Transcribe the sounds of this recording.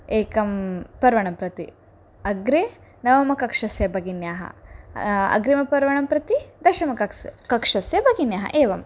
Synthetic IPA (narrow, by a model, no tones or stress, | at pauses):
eːkɐmpɐɾʋɐɳɐmpɾɐt̪ḭ | ɐɡɾeː | nɐʋɐmɐkɐkʂɐsjɐbʱɐɡinjaːɦɐ̰ | ɐ̰ɡɾemɐpɐɾʋɐɳɐmpɾɐt̪id̪ɐʃɐmɐkɐkkɐkʂɐsjɐbʱɐɡinjaːɦɐ̰ʔeːʋɐm